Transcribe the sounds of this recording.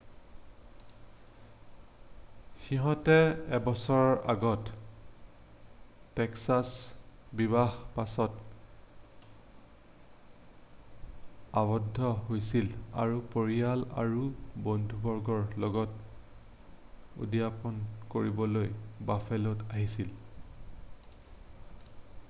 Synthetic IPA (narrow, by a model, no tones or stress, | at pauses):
xiɦɔ̃tɛɛbɔsɔɹɔɹʔaɡɔt | ɛksasbibahpasɔt | abɔdʱːɔɦojsila̰ɹupoɹiala̰ɹubondʱubɔɹɡɔɹlɔɡɔt | ṵdijapɔnkoɹibɔlojbafʰɛlɔtaɦisil